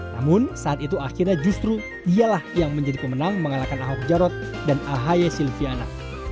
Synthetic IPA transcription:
na̰mʊnsaːt̪it̪uaxirɲad͡ʒust̪ɾu | dialahjaŋməɲd͡ʒadipəmənaŋməŋalakanaɦɔk̚d͡ʒaɾɔt̪̚ | danaɦajasilfiana̰

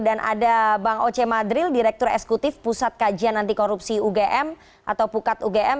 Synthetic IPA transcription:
danʔa̰dabaŋot͡ʃemad̪ɾɪldiɾɛk̚t̪ʊɾɛ̰ksɛ̥kut̪ɪfpusat̪̚kad͡ʒianːant̪ikoɾupsiuɡeʔɛm | ʔat̪awpukat̪uɡeɛm

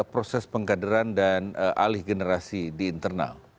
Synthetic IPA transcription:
pɾosɛspəŋkadəɾandanʔa̰lɪhɡənəɾasidiːnt̪ərna̰l

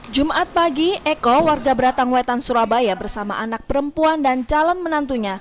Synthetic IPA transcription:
d͡ʒumaʔat̪̚paɡiʔɛkɔwarɡabəɾat̪aŋwɛt̪ansuɾabajabərsama̰ʔanak̚pəɾəmpuandant͡ʃalɔnmənant̪uɲa

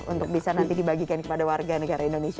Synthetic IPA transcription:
ṵnt̪ʊk̚bisanant̪idibaɡikankəpadawarɡanəɡaɾaindonesi

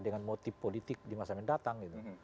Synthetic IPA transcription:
dəŋanmot̪ɪfpːolit̪ɪk̚dimasamɛndat̪aŋɡit̪u

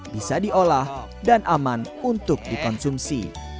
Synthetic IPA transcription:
bisadiolah | danʔaman | unt̪ʊk̚dikɔnsumsḭ

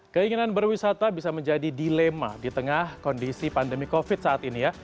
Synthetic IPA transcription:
kəiŋinanbərwisat̪abisaməɲd͡ʒadidilema̰dit̪əŋahkɔndisipandəmikofɪt̪̚saat̪inija

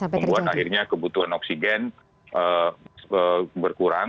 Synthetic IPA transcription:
məmbuat̪̚ahirɲakəbut̪uɦanɔksiɡɛn | ʔə | əbərkuɾaŋ

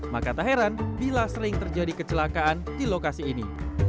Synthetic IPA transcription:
makat̪aɦeɾanbilasəɾɪŋt̪ərd͡ʒadikət͡ʃəlakaandilokasiːni

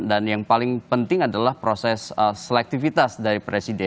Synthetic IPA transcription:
danjaŋpalɪŋpənt̪ɪŋadalahpɾosɛsəːəlɛk̚t̪ifit̪asdaɾipɾesidɛ

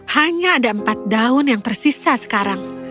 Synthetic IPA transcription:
haɲaːdaəmpat̪̚daʊnjaŋt̪ərsisasə̥kaɾaŋ

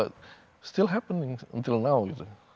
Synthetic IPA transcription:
ʌt̚ | stɪlˠɦæpə̃nɪ̃ŋə̰̃ntʰɪlˠnaʊɪzɨ

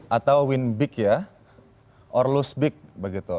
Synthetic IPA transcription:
ʔat̪awwinbɪkja | ʔɔrlusbɪk̚bəɡit̪u

